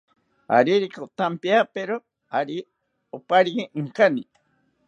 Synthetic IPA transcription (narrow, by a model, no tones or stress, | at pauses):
a̰ɾiɾikaot̪ampiapeɾo | aɾi | opaɾikeʔɨŋkani